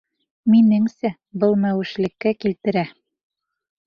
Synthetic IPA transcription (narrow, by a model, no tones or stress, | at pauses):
minɘŋsæ | bɤlˠmæwɘ̆ʃlɘ̆kːækilt̪ɘ̆ɾæ